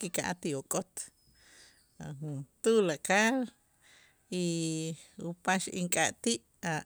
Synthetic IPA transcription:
kikaʔa̰t̪iokʼot̪ | ahunt̪ulakal | i | upaʃḭŋkʼaʔt̪iʔ | a

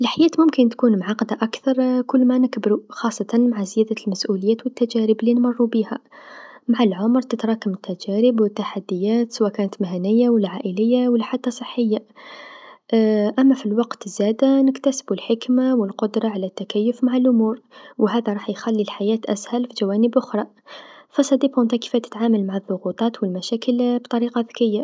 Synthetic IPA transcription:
əlħajæːt̪mʊmkənt̪kunmʕɑqɑd̪aʔakθɑɾˤkʊlːmænəkbɾuxɑsˤːɑt̪ɑnmaʕazəjæd̪almæsʔuləjːæt̪wət̪ːæd͡ʒæɾəblinmɑrˤːubihæ | maʕalʕʊmɾt̪ət̪ɾˤɑkəmət̪ːæd͡ʒæɾəbwət̪ːaħad̪ːəjːæt̪səwækænət̪maɦænəjːawəlʕaʔələjːawəlːħat̪ːɑsˤəħːəjːa | ʔæmːæfilwɑqt̪zæd̪anəkt̪æsbulħəkmawəlqod̪ɾˤɑʕalæt̪ːækæjːʊfmaʕalʔʊmuːɾwɦæd̪æɾˤɑħjxælːilħajæt̪ʔæ̰shælfiʒæwænəbʔʊxɾˤɑ | fɑsˤɑd̪ibhʊnt̪æki̥fæt̪ə̥t̪ʕaməlmaʕaðˤːʊɣut̪ˤɑt̪wəlmæʃækəlbt̪ˤɑɾiqɑbəkəjːa

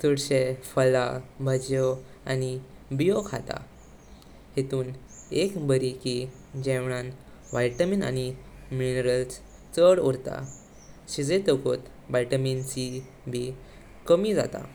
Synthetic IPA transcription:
suɽɕefəlabʱəd͡ʑjɔ | ani | bijokʰat̪a̰ | het̪uːn | ekbʱəɾiki | d͡ʑɛ̃ʋɳ̃an | ʋajʈəmina̰niminəɾəls | t͡səɽɔɾt̪a̰ | ɕid͡zet̪əkot̪ | bajʈəmint͡ɕi | bʱi | kəmid͡za̰t̪a̰

